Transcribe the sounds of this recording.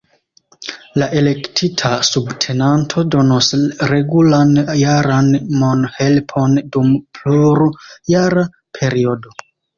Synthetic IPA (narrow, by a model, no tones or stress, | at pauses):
laʔe̞le̞ktʰitʰasubtʰe̞nantʰo̞do̞nosɾe̞ɡulanjaɾanmonhe̞lpʰo̞ndumpʰluɾujaɾa | pʰe̞ɾio̞do̞